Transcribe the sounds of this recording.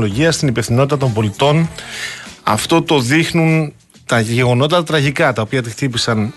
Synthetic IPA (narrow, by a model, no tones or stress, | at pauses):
lo̞ʝiɐst̪inipefθino̞t̪it̪ɐt̪o̞mbo̞lit̪o̞n | ɐ̰ft̪o̞t̪o̞ðixnun | t̪ɐʝe̞ɣo̞no̞t̪it̪ɐt̪ɐt̪ɾɐʝikɐt̪ɐopiɐt̪it̪ipisɐn